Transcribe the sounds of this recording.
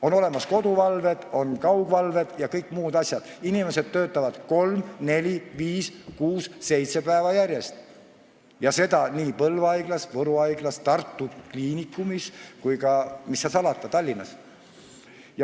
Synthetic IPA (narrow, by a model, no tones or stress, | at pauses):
o̞no̞le̞mɑsko̞d̪uvɑlve̞d̪̥o̞nkɑwɡ̥vɑlve̞d̪̥jɑkɤjkːˑmuːd̪ɑsʲjɑd̪̥inime̞se̞d̪̥̚t̪ø̞ːt̪ːˑɑvɑd̪̥ko̞lmne̞lʲiviːskuːsːe̞jt̪se̞pæevɑjæɾje̞st̪ | jɑse̞d̪̥ɑniːpɤlvɑjɡ̥lɑsvɤɾuɑjɡ̥lɑst̪ɑrt̪ˑːukliːnikːˑumiskujkɑmisːɑsɑlɑt̪ːˑɑt̪ɑlʲːinːɑs | j